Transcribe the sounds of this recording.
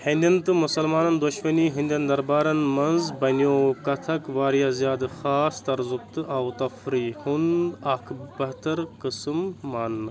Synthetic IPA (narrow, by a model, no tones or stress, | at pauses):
hɐnd̪ʲɐnt̪ɨmusɐlmaːnɐnd̪uʃmɐniːɦind̪ʲjɐnd̪ɐɾbaːɾɐnmɐnzbɐnjoːkɐt̪ʰɐkʋaːɾijazijaːd̪ɨxaːst̪ɐɾzub̚t̪ɨʔɐwt̪ɐfɾiːhunɐkʰbɐɦt̪ɐɾqɨsɨmːaːnːɐ